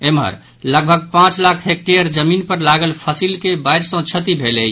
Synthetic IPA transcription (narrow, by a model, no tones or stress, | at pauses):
emɦə̰ɾ | ləɡ̚bʱəɡ̚pãt͡ʃlakʰɦek̚ʈejəɾd͡ʒəminpəɾlaɡəlpʰəsilkebaɪɾsə̃t͡ʃʰət̪ibʱeləj